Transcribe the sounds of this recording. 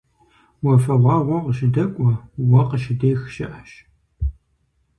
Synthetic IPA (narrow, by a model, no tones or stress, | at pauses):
wɔfɐʁʷɑːʁʷɔqəʃɪdɐkʷʼɔwɔqəʃɪdeːxʃɪ̰ʔɐʃ